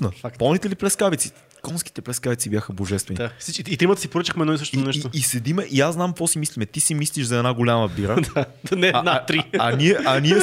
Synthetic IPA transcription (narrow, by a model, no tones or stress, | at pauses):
nəakpɔlˠnit̪ɛliplɛskabit̪si̥ | kɔnski̥t̪ɛplɛskabit̪sibʲjaxəboʒɛst̪vɛnisit͡ʃiit̪ɾimət̪ə̥sipoɾət͡ʃəxmɛd̪nɔisəʃt̪nɛʃoːsɛd̪imɛʔiaznamkvɔsimislʲimɛt̪isimisliʃzɐɛd̪naɡolʲaməbiɾəd̪nɛnat̪ɾiɐniɛʔɐniɛ